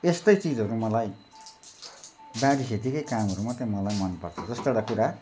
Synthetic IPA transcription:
est̪ʌjt͡sid͡zʱɦʌɾumʌlaj | baɽikʰet̪ikʌjkamɦʌɾumat̪emʌlajmʌnpʌrt͡sʰʌd͡zʌst̪oeɽakuɾa

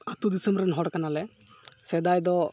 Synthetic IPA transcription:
kʰət̪ud̪isəmbɾɛnɦɔɽkanalɛ | sɛd̪ajd̪ɔ

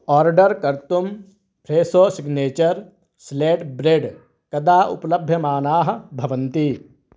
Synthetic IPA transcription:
ɔːɾɖəɾkɐɾt̪um | pʰɾeːsoːsiɡneːt͡ʃəɾ | sleːʈbɾeɖ | kɐd̪aːʔṵplɐbʱjɐmaːnaːɦɐ̆bʱɐʋɐ̃nt̪i

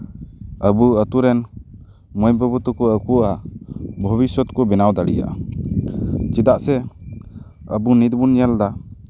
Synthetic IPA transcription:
əbuət̪uɾɛn | mɔjbəbut̪ɔkɔəkuabʱɔbisɔt̪kɔbɛnawd̪alija̰ʔ | t͡ʃid̪aʔsɛ | əbunit̪bunjald̪a

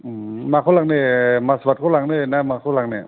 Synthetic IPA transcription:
maːkʰalaŋnimasbakʰalaŋninamaːkʰulaŋni

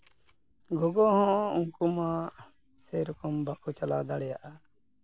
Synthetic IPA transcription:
ɡɔɡɔhɔ̃uŋkuma | sɛɾukɔmbakʰut͡ʃala̰d̪aɽɛjaʔa

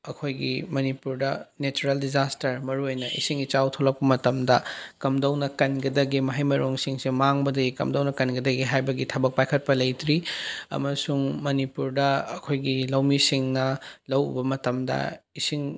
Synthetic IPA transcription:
ɐkʰojɡimɐnipuɾdɐnet͡ʃuɾɐldizastɐɾmɐɾuojnɐʔḭsiŋit͡ʃawtʰolɐk̚pɐmɐtɐmdɐkɐmdɐwnɐkɐnɡɐdɐɡimɐɦajmɐɾoŋsiŋsemaŋbɐdɐɡikɐ̰mdɐwnɐkɐnɡɐdɐɡiɦajbɐɡitʰɐbɐk̚pajkʰɐt̚pɐlɐjtɾiɐ̰mɐsuŋmɐnipuɾdɐːkʰojɡilɐwmisiŋnɐlɐwṵbɐmɐtɐmdɐ̰isiŋ

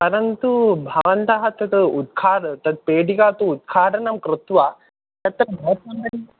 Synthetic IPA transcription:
pɐɾɐnt̪ubʱɐʋɐnt̪ɐɦɐt̪ɐt̪ud̪̚kʰaːɽt̪ɐd̪̚peːɖikat̪uːd̪̚kʰaːʈʰɐnɐmkɾɪt̪ʋa | t̪ɐt̪ɾɐmɐɐt̪ɐmɐɽi

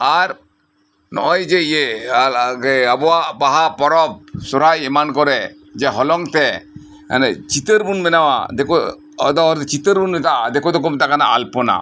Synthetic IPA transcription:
aɾ | nɔ̰ʔɔjd͡ʒeie | keabɔaʔpaɦapɔɾɔb̚sɔɾ̤ajɛmankɔɾɛ | d͡ʒɛɦɔlɔŋt̪ɛ̰ | net͡ʃit̪əɾbunmɛnawa̰d̪eko | ɔ̰d̪ɔɦɔɾt̪t͡ʃit̪əɾbunmɛt̪ad̪ɛkɔd̪ɔk̬ɔmt̪akana̰ʔalpɔna̰

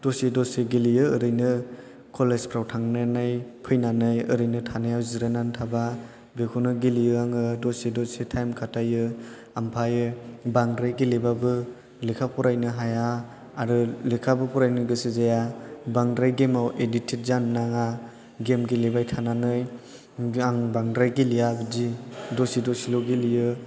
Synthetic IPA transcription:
d̥osidɔseɡilijɯɯɾɯjnɯ | kʰɔlezpʰɾawtʰaŋnɯnɯjpʰɯjnanɯjɯɾɯjnɯtʰanɯjawziɾenantʰaba | bekʰunɯɡilijɯaŋɯdɔsedɔsetʰajmkʰatajɯ | ampʰajɯbaŋdɾajɡilebabɯ | likʰapʰɔɾajnɯɦajaː | ɾɯlikʰabɯpʰɔɾajnɯɡɯsɯzajabaŋdɾajɡemawʔeditʰet̚zanːaŋa | ɡemɡilebajtʰananɯj | aŋbaŋdɾajɡilijabɯzidɔsidɔsilɔɡilijɯ

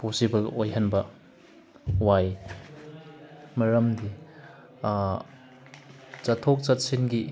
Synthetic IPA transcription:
posibɐlojɦɐnbɐ | waj | mɐɾɐmdi | t͡ʃɐtʰːok̚t͡ʃɐt̚sinɡi

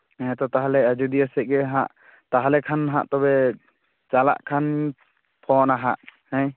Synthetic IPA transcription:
ɛɛ̃t̪ɔt̪aɦalɛad͡ʒud̪iasɛʔɡɛɦãʔ | t̪aɦalɛkʰanɦã̰ʔt̪ɔbɛ | t͡ʃala̰ʔkʰan | pʰɔnaɦaʔhɛ̃j

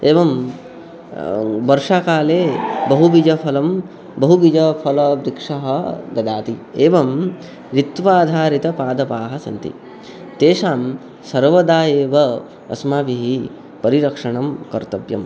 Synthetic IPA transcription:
eːʋɐm | ʋɐɾʂaːkaːleːbɐɦuʋid͡ʒɐpʰɐlɐm | bɐɦuʋid͡ʒɐpʰɐlɐbɾikʂɐɦɐɡɐd̪aːt̪ieːʋɐm | ɾit̪ʋaːd̪ʱaːɾit̪ɐpaːd̪ɐpaːɦɐsɐ̰nt̪ḭ | t̪eːʂaːm | sɐɾʋɐd̪aːjeːʋɐ | ɐ̰smaːʋiɦi | pɐɾiɾɐkʂɐɳɐmkɐɾt̪ɐʋjɐ̰m

